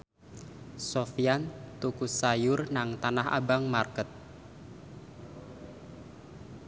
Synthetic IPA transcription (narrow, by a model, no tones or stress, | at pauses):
sofiant̪ukusajʊrnaŋt̪anaha̰baŋmarkət̪̚